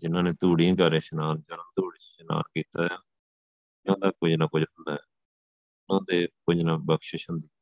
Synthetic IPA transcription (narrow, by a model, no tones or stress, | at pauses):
d͡ʒɪnãːneːt̪uːɽijãːɡəɾẽːʃənaːnd͡ʒəɽãːt̪uːɽeːt͡ʃʃəna̰ːnkiːt̪aːjaː | ʊnãːd̪aːkʊd͡ʒnaːkʊd͡ʒənd̪aːɛː | ʊnãːd̪eːkʊd͡ʒnaːbəkʃɪʃɦənd̪iː